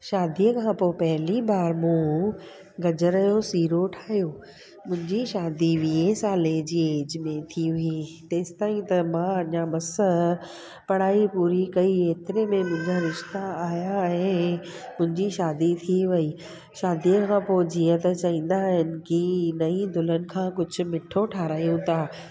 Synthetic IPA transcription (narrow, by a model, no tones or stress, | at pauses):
ʃaːd̪ijəkʰãːpopɐɦɪlibaːɾmũ | ɡɐd͡ʑəɾɐjosiːɾoʈʰaːijoː | mʊ̃ɦɪ̃ɲd͡ʑiʃaːd̪iʋiesãːleːd͡ʑiːeːd͡ʑmẽt̪ʰiit̪eːst̪aːĩt̪ɐmãɐɲamɐsə | pɐɽ̤aːipuːɾikɐieːt̪ɪɾemẽmʊ̃ɦɪ̃ɲd͡ʑaɾɪʃt̪aaːjaɛ̃ː | mʊ̃ɦɪ̃ɲd͡ʑiʃaːd̪it̪ʰiʋɐiː | ʃaːd̪ijəkʰãːpod͡ʑiːə̃t̪ɐt͡ɕɐĩːn̆d̪aɦɪnɪ̆kɪnɐĩd̪ʱʊlənɪ̆kʰãːkʊd͡ʑʱʊ̆mɪʈʰoʈʰaːɾaːjũt̪ʰaː